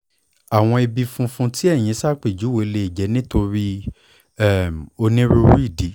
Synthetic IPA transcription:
a˨w̃ɔ̃˧i˧bi˧fũ˧fũ˧˦ti˦ɛ˦˨j̃ĩ˨˦sa˦˨k͡pi˨d͡ʒu˨˦we˨˧le˧i˨d͡ʒɛ˨˦nĩ˦to˧ɾi˦ | ɛ˦˨mo˧nĩ˦ɾu˦ɾu˦i˦˨di˨˦

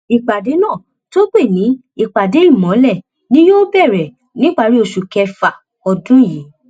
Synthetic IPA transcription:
i˨k͡pa˨de˨˦nãː˦˨ | to˦ɡ͡be˦˨nĩ˨˦ | i˧˨k͡pa˨de˨˦i˦˨mɔ̃˨˦lɛ˦˨ | nĩ˦joː˦bɛ˦˨ɾɛ˨ | nĩ˨˦ɡ͡ba˦˧˨ɾi˦o˧˨ʃu˨kɛ˧fa˨ | ɔ˧dũ˦˨ji˨˦

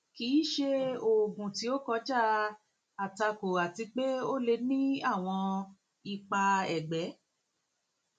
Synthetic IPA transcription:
kiː˨˦ʃe˦o˨ɡũ˨ti˧˦o˦kɔ˧˦d͡ʒa˦ | a˨ta˧ko˨a˨ti˧k͡pe˦o˦le˧nĩ˦a˦˨w̃ɔ̃˧ | i˨k͡pa˧ɛ˨ɡ͡bɛ˨˦

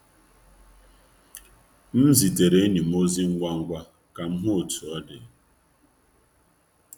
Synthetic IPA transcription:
m̩˦zi˨te˨ɾe˨˦ni˨m̩˦o˦zi˦ŋ̩˦ɡʷa˦ŋ̩˦ɡʷa˦ | ka˨m̩˦ɦʊ˦o˨tu˨ɔ˦dɪ˨

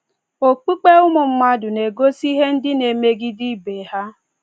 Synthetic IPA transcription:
o˨k͡pi˦k͡pe˦ʊ˦mʊ˨m̩˦ma˦dʊ˨ne˨ɡo˦si˦ɦe˦n̩˦dɪ˦ne˨me˦ɡɪ˦dɪ˦be˨ha˦

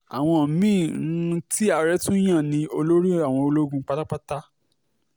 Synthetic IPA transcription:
a̰˨w̃ɔ̃˧˨˦mĩ˦˨˦ti˦a˧ɾɛ˦tũ˦j̃ã˦˨nĩ˧o˧lo˦ɾi˦a˨w̃ɔ̃˧o˧lo˦ɡũ˧˦k͡pa˧ta˦k͡pa˦ta˦

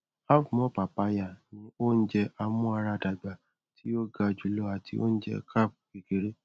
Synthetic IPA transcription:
a˦fmɔ̃˨˦pa˨pa˧ja˨nĩ˦o˦n̩˦d͡ʒɛ˧ʔa˧mũ˦a˧ɾa˧da˨ɡ͡ba˨ | tʰi˦o˦ɡa˧d͡ʒu˨lɔ˧a˨ti˧o̰˦n̩˦d͡ʒɛ̰˧ka˦˨p̚ki˨ke˨ɾe˦

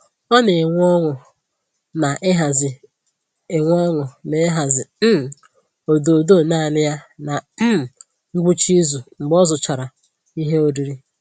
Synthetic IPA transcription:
ɔ˦ne˨ŋʷ˦ɔ˦ŋʊ˨ | na˨ʔɪ˦ɦa˨zɪ˨ | e˨ŋʷ˦ɔ˦ŋʊ˨ne˨˦ɦa˨zɪ˨˦˨ | o˨do˨do˦˨na˦˨nɪ˦ja˦na˨m̩˦m˨ | ŋ͡m̩˦ɡ͡bu˦t͡ʃi˦zu˨ŋ͡m̩˨ɡ͡bɔ˦zʊ˨t͡ʃa˨ɾa˨ | i˦ɦe˦o˦di˨ɾi˦

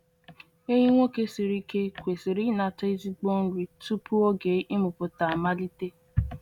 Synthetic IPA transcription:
e˦ɲi˦ŋʷo˦ke˦si˨ɾi˦ke˦kʷe˨si˨ɾi˦na˨te˦i˦zi˦ɡ͡bo˦n̩˦ɾi˨tu˦pu˦o˦ɡe˨˦ʔi˦mʊ˨pʊ˨ta˨ma˦li˦te˦

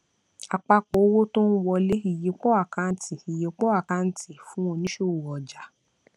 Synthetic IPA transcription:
a˨k͡pa˧k͡po˨˦wo˦to˦n̩˦wɔ˧le˦i˨je˨˦k͡po˦a˦˨ka˧˦n̩˦ti˨i˨je˨k͡po˦a˦˨ka˧˦n̩˨˦ti˦˨fũ˦o˧nĩ˦ʃo˦˨ɔ˨d͡ʒa˨˦

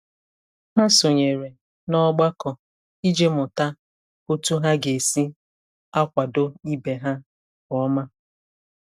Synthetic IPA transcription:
ɦa˦so˨ɲe˨ɾe˨ | nɔ˦ɡ͡ba˦kɔ˨ | i˦d͡ʒe˦mʊ˨ta˦ | o˦tu˦ɦa˦ɡe˨si˦ | a˦kʷa˨do˦i˦be˨ɦa˦ | kɔ˦ma˦

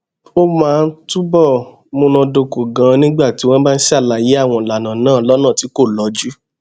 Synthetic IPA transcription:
o˦mãː˦˧n̩˦tu˦bɔ˦˨ | mõ˧nã˧do˧ko˨ɡã˨˧nĩ˦ɡ͡ba˦˨ti˨˦w̃ɔ̃˦ba˦n̩˦si˦a˦˨la˨je˨˦a˦˨w̃ɔ̃˧˨la˨nã˨nãː˦˨lɔ˦nãː˦˨ti˨˦ko˦˨lɔ˨˦d͡ʒu˦

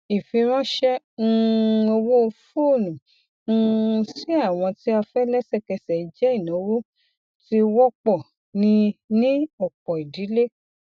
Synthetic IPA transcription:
i˨fĩ˧ɾ̃ɔ̃˦ʃɛ̃˦˧ | o˧wo˦˧fo˦˨nũ˨˦˧ | si˦a˦˨w̃ɔ̃˧ti˦a˧fɛ˦lɛ˦sɛ˦˨kɛ˧sɛ˨i˨˧d͡ʒɛ˦i˦˨nɔ̃˨˦wo˦ | ti˦wɔ˦k͡pɔ˦˨ | nĩ˧nĩ˦ɔ˨k͡pɔ˨i˨di˨˦le˦

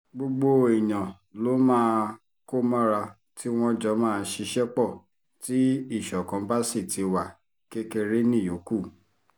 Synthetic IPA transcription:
ɡ͡bo˧ɡ͡bo˧i˨j̃ã˨ | lo˨˦mãː˦˧ | ko˦mã˦ɾa˧ | ti˦w̃ɔ̃˧d͡ʒɔ˨˦mãː˦˧ʃi˧ʃɛ˦k͡pɔ˦˨ | ti˨˦i˦˨ʃɔ˨kã˨˦ba˦si˦˨ti˨˧wa˨ | ke˦ke˧ɾe˦nĩ˦˨jo˨˦ku˦˨

